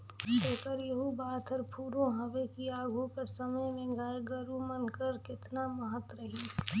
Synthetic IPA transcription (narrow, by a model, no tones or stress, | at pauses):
ʃeːkəɾjɐɦubaːt̪ʰəɾpʰuːɾõɦɐʋekiaːɡʱukɐɾsəməjmẽɡaːeɡəɾumənkəɾkɪt̪naməɦət̪ɾəɦi